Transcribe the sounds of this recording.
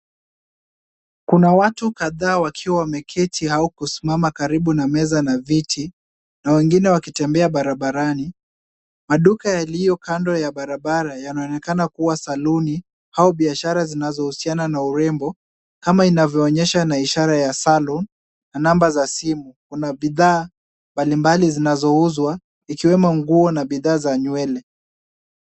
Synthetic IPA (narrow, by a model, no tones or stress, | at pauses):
kunawatukaðaːwakʰiwamɛkʰɛtʰihaukusimamakaɾiɓunamɛzanavitʰi | nawɛŋɡinɛwakitɛmbɛaɓaɾaɓaɾani | maɗukajalijɔkandɔjaɓaɾaɓaɾajanaɔnɛkanakuwasaluni | haɔɓiaʃaɾazinazɔhusiananauɾɛmbɔ | kamainavjɔːɲɛʃanaiʃaɾajasalɔn | nanambazasimukunaɓiðaː | mbalimbalizinazɔuzwa | ikiwɛmɔŋɡuɔnaɓiðaːzaɲuɛlɛ